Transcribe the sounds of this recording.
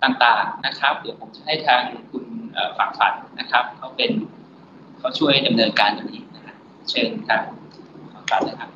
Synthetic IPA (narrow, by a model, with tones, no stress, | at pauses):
t̪aː˨˩ŋt̪aː˨˩ŋna˦˥kʰɾa˦˥p̚dɯ˩˦wpʰo˩˦mt͡ɕa˨˩ha˥˩jt̪ʰaː˧ŋkʰu˧nʔəː˨˩fa˨˩˦ŋfa̰˩˦nːa˦˥kʰa˦˥p̚kʰa˦˥wpe˧n | kʰa˦˥˩wt͡ɕʰu˥˩əjda˧mnɤː˧nkaː˧ndaː˨˩niː˦˥na˦˥kʰa˦˥ | t͡ɕʰe˥˩nt̪ʰaː˧ŋ | faː˨˩˦ŋfa˨˦nːa˦˥kʰa˦˥p̚